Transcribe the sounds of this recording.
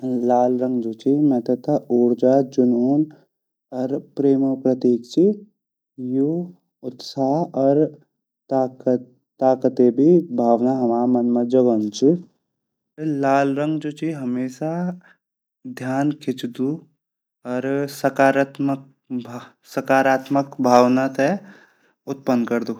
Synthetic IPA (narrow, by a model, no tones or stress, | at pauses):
laːlɾə̃ŋɡd͡ʒoːt͡ʃʰimɛ̃t̪ɐt̪ʰauːɾd͡ʒaːd͡ʒʊnoːn | ɔɾpɾeːmopɾɐt̪iːk̚t͡ʃʰi | ju | ʊt̪saːɦɔɾ | ak | t̪aːkət̪ebʱibʱaːʋnaɦɐmaːmɐnməd͡ʒəɡənt͡ʃʰi | laːlɾə̃ŋɡd͡ʒoːt͡ʃʰiɦɐmeːʃa | d̪ʱjaːnkʰɪt͡ʃd̪u | ɔːɾsəkaːɾat̪mək̚ | bʱ | səkaːɾaːt̪məkbʱaːʋnat̪ʰɛ | ʊt̪̚pənkɐɾd̪u